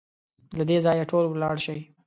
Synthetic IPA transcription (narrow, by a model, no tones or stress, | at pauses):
lad̪ezɑjaʈʰolwlɑɽʃəj